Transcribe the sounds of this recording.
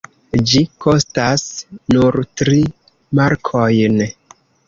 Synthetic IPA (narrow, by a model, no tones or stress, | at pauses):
d͡ʒiko̞stasnuɾtɾi | maɾkʰojn